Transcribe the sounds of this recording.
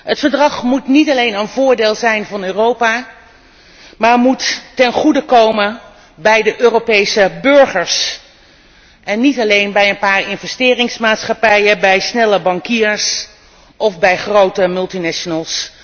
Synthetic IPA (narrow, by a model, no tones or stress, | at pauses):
ɦətfəɹdrɑχmutnitɑlejnənvʊːɹdeːlˠzɛjnvɑnøːrowpaː | maːɹmuttɛnχudəkowmən | bɛjdəʔøːropejsəbɵɹχəɹs | ʔɛnːitɑlejnbɛjənpaːɹɪnvɛstɪːrɪŋsmaːtsχɑpɛjəbɛjsnɛləbɑŋkiːɹs | ʔɔfbɛjχrowtəmɵlˠtinɛʃonəlˠs